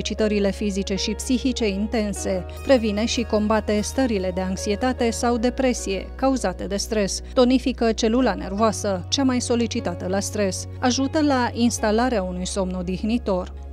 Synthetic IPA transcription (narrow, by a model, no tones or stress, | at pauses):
it͡ʃit̪əɾile̞fizit͡ʃe̞ʃipsiçit͡ʃe̞int̪e̞nse̞ | pɾe̞vine̞ʃiko̞mbat̪e̞st̪əɾile̞d̪e̞aŋksie̞t̪at̪e̞sawd̪e̞pɾe̞sije̞kauzat̪e̞d̪e̞st̪ɾe̞st̪o̞nifikət͡ʃe̞lulane̞̰rvoasət͡ʃamajso̞lit͡ʃit̪at̪əlast̪ɾe̞s | aʒut̪əlainst̪alaɾeaunujso̞mno̞d̪ixnit̪o̞r